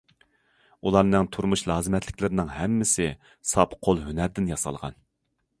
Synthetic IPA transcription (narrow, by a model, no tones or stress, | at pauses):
ulˠɑɾnɨŋt̪ʰuɾmuʃlˠɑːzɨmɛt̪ʰlɪkʲlɪɾɪnɪŋɦɛmːɪsɪ | sɑpqʰolˠɦynæɾd̪ɪnjɑsɑ̰lˠʁɑ̰n